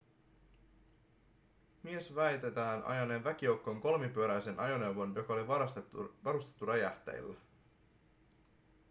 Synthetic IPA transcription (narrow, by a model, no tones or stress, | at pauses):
mie̞sʋæjt̪e̞t̪æːnʔɑ̰jɑneːnʋæk̟ijo̞wkːo̞ŋko̞lmipyøɾæjse̞nɑjo̞ne̞uwʋo̞njo̞kɑoliʋɑɑsʋɑɾust̪et̪ːuræjæht̪ḛj̰lːæ